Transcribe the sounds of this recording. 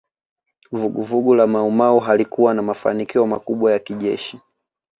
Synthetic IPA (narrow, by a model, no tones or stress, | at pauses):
vuɡuvuɡulamaumauɦalikuwanamafa̰nikiɔma̰kuɓwajakiʄɛ̰ʃi